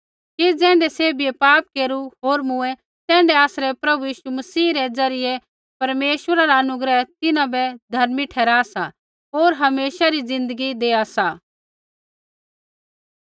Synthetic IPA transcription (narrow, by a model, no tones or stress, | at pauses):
kid͡zɛ̃ːɳɖɛseːbʱiepaːp̚keːɾuɦoːɾmʊ̃ɛ | t̪ɛ̃ːɳɖɛaːsɾɛpɾɐbujiːʃumɐsiːɾɛd͡zɐɾɪjɛ | pɐɾmeːʃwəɾaɾaɐnʊɡɾɛɦt̪ɪnãbɛd̪ʱɐɾmiʈʰɛːɾaːsa | oːɾɦɐmeːʃaɾid͡zɪ̃nd̪əɡid̪eːasa